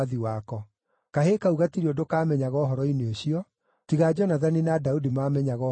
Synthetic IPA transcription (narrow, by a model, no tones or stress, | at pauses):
ðiwakɔ | kaɦekauɣatiɾiodokaːmɛɲaɣɔːɦɔɾɔineoɕiɔ | tiɣad͡ʑɔnaðaninadaudimaːmɛɲaɣɔ